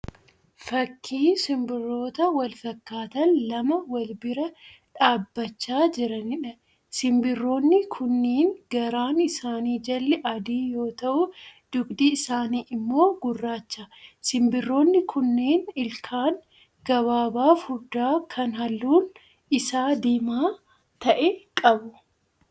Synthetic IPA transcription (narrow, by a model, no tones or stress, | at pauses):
fɐkʰːiːsɪmbɪrːo̞ːt̪ɐwɐlfɐkːaːt̪ɐnlɐmɐwɐlbɪɾɐᶑaːbːɐt͡ʃːaːd͡ʒɪɾɐnɪᶑɐ | sɪmbɪrːo̞ːnːɪkʰʊnːeːnɡɐɾaːnɪsaːniːd͡ʒɐlːɛʔɐd̪iːjo̞ːt̪ɐʔʊd̪̥ʊɡd̪iɪsaːniːʔɪmːo̞ːɡʊrːaːt͡ʃːasɪmbɪrːo̞ːnːɪkʰʊnːeːnɪlkʰaːn | ɡ̥ɐβaːbaːfhʊɾd̪aːkʰɐnɦɐlːuːn | ɪsaːd̪eːmaː | t̪ɐʔɛkʼɐbʊ